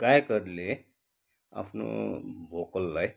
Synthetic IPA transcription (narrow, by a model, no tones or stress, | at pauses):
kajkʌɾle | a̰pʰno̰bʱokəlːaj